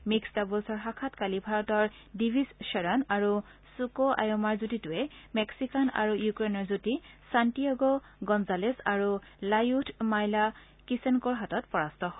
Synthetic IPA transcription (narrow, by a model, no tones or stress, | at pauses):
miksdabulsɔɹɦakʰatkalibʱaɹɔtɔɹ | dibʱizʃɛɹanaɹu | sukoʔa̰jɔmaɹzutitʊɛmɛksikana̰ɹujukɹenɔɹzutisantijaɡɔ | ɡɔnzalesaɹu | lajutʰmajla | kisenkɔɹɦatɔtpɔɹastɔɦɔ